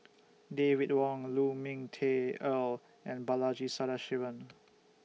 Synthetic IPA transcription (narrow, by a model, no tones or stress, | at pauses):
devit̚wɔ̃ŋlumĩŋtʰeəl | ɛ̃nbalad͡ʒisadaʃivə̃n